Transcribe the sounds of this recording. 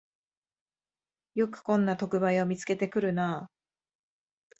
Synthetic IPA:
jo̞kɯ̟̥kõ̞nːat̪o̞kɯ̟baio̞mʲit͡sɨ̥ke̞t̪e̞kɯ̟ɾɯ̟naː

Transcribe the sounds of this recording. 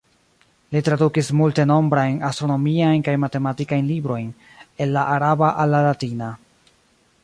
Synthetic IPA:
litɾadukismulte̞no̞mbɾajnastɾo̞no̞miajnkajmate̞matikajnlibɾo̞jn | e̞nːaʔaɾabaʔalːalatina

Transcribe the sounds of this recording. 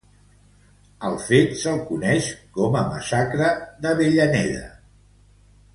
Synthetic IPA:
əlˠfet̪səlˠkunɛʃkɔməmə̰sakɾəðəβeʎənɛðə̰

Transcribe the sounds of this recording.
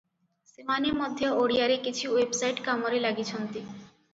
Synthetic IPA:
semaniɾmod̪ʱːjeʔoɽiaɾekit͡ɕʰuwebsajʈkamoɾelaɡit͡ɕʰont̪i

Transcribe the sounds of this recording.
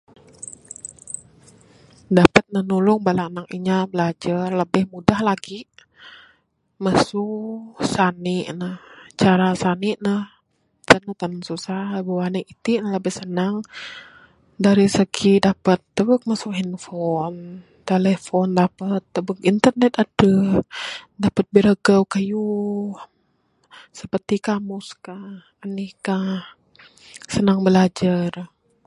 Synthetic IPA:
dapət̪̚nənulʊŋbalaʔnaŋiɲabəlad͡ʒarləbɪhmudahlaɡiʔ | masʊsanɪʔnəht͡ʃaɾasaniʔnəh | t̪ənət̪anŋsusahləbəwanikit̪inələbɪhsənaŋ | daɾisəkʰidapət̪ːəbək̚masʊkhinfɔn | t̪elɛfɔndapət̪ːəbək̚int̪ərnɛt̪adə | dapət̪̚bəɾəɡəwkajuh | səpərt̪ikamuskahːnihkah | sənaŋbəlad͡ʒar

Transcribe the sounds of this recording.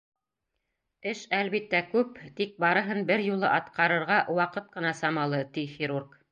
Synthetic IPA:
ɘʃælβit̪ːækʉpt̪ik̚bɑɾɤ̆ɦɤnbɘɾjulˠɤʔɑt̪qɑɾɤ̆ɾʁɑʔwɑqɤt̪̚qɤ̆nɑsɑmɑlˠɤt̪ixʲiɾurk

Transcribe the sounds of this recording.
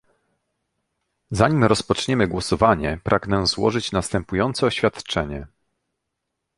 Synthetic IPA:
zaɲimɾɔspɔt͡ʂɲɛmɘɡwɔsɔvaɲɛpɾʔaɡnɛzwɔ̰ʐɘt͡ɕnast̪ɛmpujɔnt̪sɛɔɕfʲjat̪t͡ʂɛɲɛ

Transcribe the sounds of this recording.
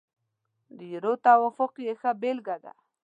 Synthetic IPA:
d̪ijɾot̪awafoqjexabelɡad̪a̰

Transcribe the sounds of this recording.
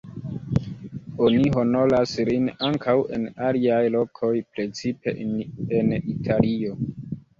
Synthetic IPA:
oniɦo̞no̞laslinaŋkʰawḛnaliajlo̞kʰo̞jpɾe̞t͡sipe̞̰enitʰalio̞

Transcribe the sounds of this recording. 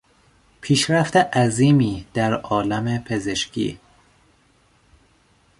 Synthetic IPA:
pʰiːʃɾæft̪eʔæziːmiːd̪̥æɾɒːlæmepʰe̞ze̞ʃcʰḭː

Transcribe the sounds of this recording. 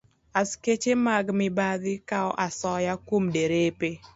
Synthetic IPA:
asket͡ʃemaɡmɪbaðɪkaɔʔasɔjakwomdeɾepe

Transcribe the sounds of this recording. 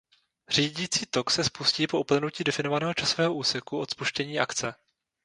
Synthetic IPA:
r̝̥iːɟiːt͡siːt̪o̞ksɛspusciːpo̞ʔupl̩nuciːdɛfɪno̞vanɛːɦo̞t͡ʃasovɛːɦoʔuːsɛkuʔo̞t̪spuʃcɛɲiːʔakt͡sɛ

